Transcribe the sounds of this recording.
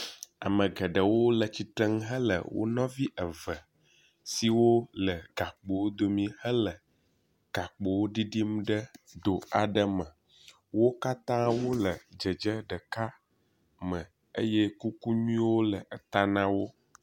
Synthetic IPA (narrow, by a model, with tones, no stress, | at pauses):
a̰˨mə̃˨ɡə˨ɖə˨wo˦lə˨t͡ɕi˨t̪ɾə˦ŋ˦ɦə˦lə̰˨wo̰˦nɔ̃˦vi˦ʔə˨və˨ | si˨wo˦lə˨ɡ̥a˨k͡po˨wo˦d̪o˨mĩ˦hə˦lə˨ | ɡ̥a˨k͡po˨wo˦ɖi˦ɖi˦m˦ɖə˦d̪o˨a˨ɖə˦mə̃˨ | wo˦ka˦t̪ã˦wo˦lə˨d͡ʒə˨d͡ʒə˦ɖə˨ka˦ | mə̃˨ | ə̰˦jɛ˦ku˦ku˦ɲũ˦wo˦lə˨ʔə˨t̪a˦nã˦wo˦